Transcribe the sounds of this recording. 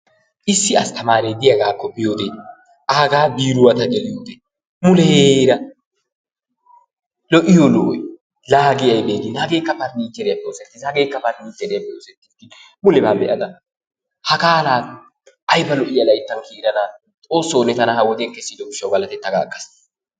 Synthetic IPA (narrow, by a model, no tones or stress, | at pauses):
ʔɪsːɪɐst̪ɐmaːɾed̪ɪjɐɡaːkːɔpɪjoːd̪ɛ | ʔaːɡaːbiːɾʊwɐt̪ɐɡɛlɪjoːd̪ɛ | mʊlɛheɾɐ | lɔʔɪjolɔʔɔ̰j | laːɡɪjɐjbeːd̪ɪnhɐɡeːkːɐpɐɾniːt͡ʃːɛɾɪjɐpːɛosɛt̪ːɪshɐɡe̞ːkːɐpɐɾniːt͡ʃːɛɾɛjɐpːɛoːsɛt̪ːɪ̥t̪ːɪ | mʊlɛbaːbɛʔɐd̪ɐ | hɐkaːlaː | ʔɐjbɐlɔʔɪjɐlɐjt̪ːɐŋkʰiːɾɐna | tʼo̞ːsːoːnɛt̪ɐnɐhɐwɔd̪ekːɛsːid̪ɔɡɪʃːɐwbɐlɐt̪ɛt̪ːɐɡa̰ːkːɐs